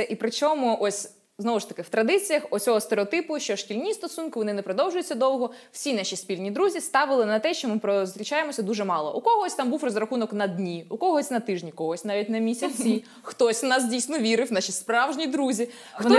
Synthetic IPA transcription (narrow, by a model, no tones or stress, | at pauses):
ɛʔipɾɪt͡ʃɔmʊʔɔsʲ | znɔʋʊʃt̪ɐ̥kɪwt̪ɾɐd̪ɪt͡sʲijɐxɔt͡sʲɔɦɔst̪eɾeɔt̪ɪpʊʃt͡ʃɔʃkʲilʲnʲist̪ɔsunkɪʋɔnɪnɛpɾɔd̪ɔwʒʊjʊt͡sʲːɐd̪ɔwɦɔw̥sʲinɑʃispʲilʲnʲid̪ɾuzʲist̪ɑʋɪlˠɪnɐt̪ɛʃt͡ʃɔmɪpɾɔzʲɾʲɪt͡ʃajemɔsʲɐd̪uʒɛmɑlˠɔ̰ʔukɔɦɔsʲt̪ɑmbuwrɔzrɐxunɔknɐd̪ʲnʲiukɔɦɔsʲnɐt̪ɪʒnʲikɔɦɔsʲnɑʋʲit̚ʲnɐmʲisʲɐt͡sʲi | xt̪ɔsʲnɑsdʲijsʲnɔʋʲiɾɪwnɑʃispɾɑwʒnʲid̪ɾuzʲi | ʋɔn